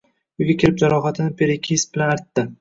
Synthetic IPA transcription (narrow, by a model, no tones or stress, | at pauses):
ʊjɡʲakʲʰɪɾɪp̚d͡ʒaɾɒχat̪ʰɪnɪpʰe̞ɾekʲʰesbɪlanaɾt̪ːɪ